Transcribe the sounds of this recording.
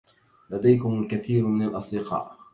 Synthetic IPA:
lad̪ajkʊmalkaθiːɾmɪnalʔɑsˤd̪ɪqɑ̰ːʔ

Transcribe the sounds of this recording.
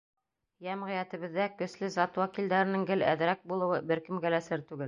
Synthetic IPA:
jæmʁɤ̆jæt̪ɘ̆βɘ̆ðːækɵ̆slɘzɑt̪wækild̪æɾɘ̆nɘŋɡɘlæ̰ðɾæk̚bulˠɤ̆wɤbɘɾkɘ̆mɡælæsɘɾt̪ʉɡɘl

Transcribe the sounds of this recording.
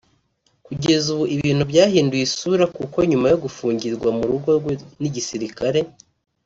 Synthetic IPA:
kuɟe̞zuβuʔiβiːn̥hubɟaːhiːndujisuɾakuko̞ɲumajo̞ɡufuːɲɟiɾɡwamuɾuɡo̞ɾɡweniɟisiɾikaɾe̞

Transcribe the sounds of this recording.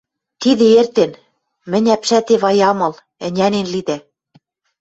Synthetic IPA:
t̪iðĕert̪en | mɘ̆nʲæpʃæt̪eβɑjɑmɤ̆l | ɘ̆nʲænenlid̪æ

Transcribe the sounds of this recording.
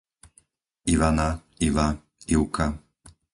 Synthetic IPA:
iʋana | iʋa | iʊka

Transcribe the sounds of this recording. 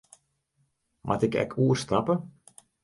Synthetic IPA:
mʔa̰tɪkɛ̰kʰuːərstapə

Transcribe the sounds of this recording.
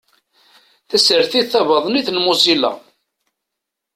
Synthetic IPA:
θæsəɾθiðθævɑðˤniθnmusilɑ̰

